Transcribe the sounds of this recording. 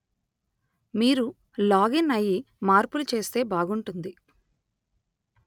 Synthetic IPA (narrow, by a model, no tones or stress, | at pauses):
miːɾu | laːɡinɐji | maːɾpulut͡ʃe̞ːst̪e̞ːbaːɡuɳʈund̪i